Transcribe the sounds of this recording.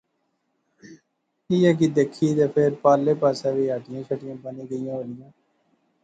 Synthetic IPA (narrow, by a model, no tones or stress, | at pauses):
kiːɛːk̬id̪eːkʰiːt̪eːpʰeɾpaːlːeːpaːsaːʋiːaːʈɪjãːt͡ʃʰəʈɪjãːbəniːɡəijãːʋəlɪjãː